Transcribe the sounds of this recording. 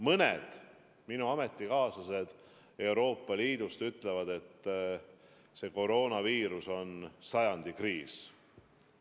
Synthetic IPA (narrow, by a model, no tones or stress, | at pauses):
mɤnḛd̪̥ | minuɑme̞t̪ːikɑːsɑse̞d̪̥ | e̞wɾo̞ːpːˑɑliːd̪̥ust̪yt̪ːˑle̞vɑd̪e̞t̪ː | se̞ko̞ɾo̞ːnɑviːɾuso̞nsɑjɑnd̪̥ikriːs